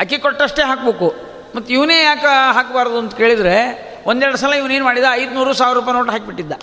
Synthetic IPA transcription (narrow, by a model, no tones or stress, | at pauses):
ɦɐkikoʈːɐʂʈe̞ːɦaːkbeːku | mɐt̪ːiʋneːjaːkɦaːkbaːɾd̪uɐnt̪ɐke̞ːɭid̪ɾe | ʔond̪ɛɾɐɽɐs̬alaiʋneːnumaːɽid̪eɐjd̪nuːɾuːsaːʋɾuːp̬ajnoːʈɦaːk̚biʈːid̪ːa